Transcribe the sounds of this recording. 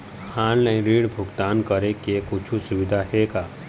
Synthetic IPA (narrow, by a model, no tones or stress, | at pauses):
kʰaːllə̃ɾiːɽbʱʊɡt̪aːnkəɾekekʊt͡ʃʰusʊʋɪd̪ʱaɦeɡaː